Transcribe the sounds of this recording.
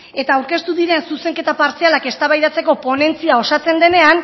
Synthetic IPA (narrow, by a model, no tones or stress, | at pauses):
e̞t̪aːwɾke̞st̪uðiɾe̞nsuse̞ŋke̞t̪apaɾt͡sialake̞st̪aβajðat͡se̞ko̞po̞ne̞nt͡siao̞sat͡se̞nd̪e̞ne̞an